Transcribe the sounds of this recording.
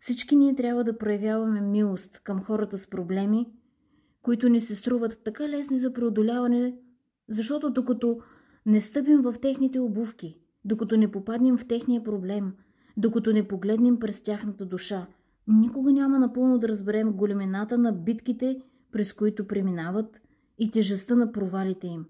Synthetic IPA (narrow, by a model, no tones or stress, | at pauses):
fsit͡ʃkiniɛt̪ɾʲabvəd̪ɐpɾojɐvʲjavɐmɛmilˠost̪kəmxɔɾət̪əspɾoblɛmi | koit̪ʊnisɛst̪ɾuvət̪ːɐkalɛsnizɐpɾɛod̪olʲavɐnɛ | zɐʃt̪ɔt̪od̪okɐt̪ɔ | nɛst̪ɤp̬imvɐft̪ɛxnit̪ɛobufki | d̪okɐt̪ɔnɛpopad̪nɛmft̪ɛxnijəpɾoblɛm | d̪okɐt̪ɔnɛpoɡlɛd̪nɛmpɾɛst̪ʲaxnɐt̪əd̪uʃa | nikoɡɐnʲamɐnɐpɤlˠnod̪ɐɾəzbɛɾɛmɡolɛmɛnat̪ənɐbit̪kit̪ɛ | pɾɛskoit̪ʊpɾɛminavət̪ | it̪ʲɛʒɛst̪ənɐpɾovalit̪ɛim